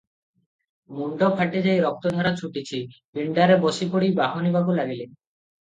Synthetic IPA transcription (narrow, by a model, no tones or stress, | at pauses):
muɳɖopʰaʈed͡ʑejɾɔk̚t̪od̪ʱaɾat͡ɕʰuʈit͡ɕʰipiɳɖaɾeboʃipoɽibaɦonibaɡulaɡilen